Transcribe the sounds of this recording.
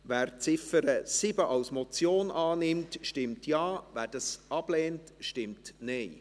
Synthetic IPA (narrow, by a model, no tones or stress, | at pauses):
væːɾt͡sɪfəɾəsɪbəʔɑwsmɔt͡sjoːnʔɑːnɪmtʃtɪmtʰjɑːvæːd̥ɑsɑb̥lɛːntʃtɪmtnɛɪ